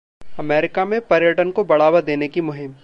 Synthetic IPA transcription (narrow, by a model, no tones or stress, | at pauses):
ɐmɛːɾɪkamẽpɐɾjəʈənkobɐɽ̤aːwad̪eːnekimʊɦɪm